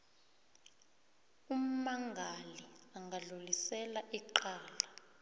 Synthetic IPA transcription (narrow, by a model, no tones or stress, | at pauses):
um̩maŋɡʱaliaŋɡʱaɮulisɛlaʔiǃaːla